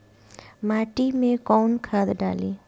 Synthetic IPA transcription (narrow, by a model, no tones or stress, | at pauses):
maʈimẽkɔwnkʰad̪ɖa̰li